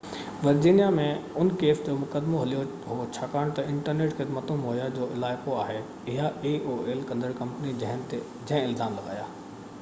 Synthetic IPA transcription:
ʋɐɾd͡ʑiːnijamẽʊnkeːfd͡ʑoːmʊkəd̪moɦɐlijo | ɦot͡ɕʰaːkaːɽ̃t̪ɐɪ̃ɳʈəɾneːʈxɪd̪mət̪ũmɦoːjad͡ʑoːʔɪlaːɪkoaːɦe | ɪɦaeːʔoːeːlkɐ̃nd̪əɽkɐ̃mpənid͡ʑɐ̃ɦɪ̃nt̪e | d͡ʑɐ̃ɦɪ̃ɪlzaːmlɐɡa̰ːja̰ː

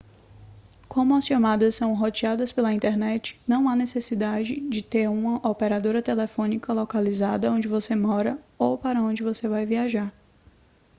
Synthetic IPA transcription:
kʰõmʊɐsʃomad̪ɐsːɐ̃w̃ɦot͡ʃiad̪ɐspelɐĩnt̪ɛɾnɛt͡ʃɪ̥nɐ̃w̃anesesid̪ad͡ʒɪd͡ʒɪt̪eɾũmɐʔopeɾad̪oɾɐt̪elefõnikɐlɔkalizad̪ɐõnd͡ʒɪvosemɔɾɐowpaɾɐõd͡ʒɪvosevajviaʒaɾ

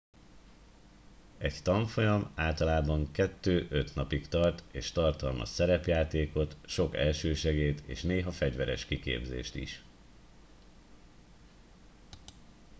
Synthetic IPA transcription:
ɛct̪ɒɱfo̞jɒmaːlt̪ɒlaːbɒŋkɛt̪ːøːʔøt̪nɒpikt̪ɒrt̪eːʃt̪ɒrt̪ɒlmɒ̰sɛɾɛpjaːt̪eːko̞t̪ʃo̞kɛ̰lʃøːʃɛɡeːt̪ḛːʃneːɦɒfɛɟvɛɾɛʃkikḛːbzḛːʃt̪ḭʃ

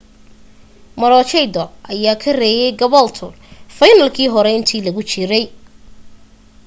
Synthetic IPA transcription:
mɐɾɔːt͡ʃɛjd̪ɔʔɐjaːkʰɐrɛːjɛjɡɐβɔlt̪ʰʊ | fɐjnɐlkʰiːɦɔɾɛɪnt̪ʰiːlɐɣʊt͡ʃɪɾɛj

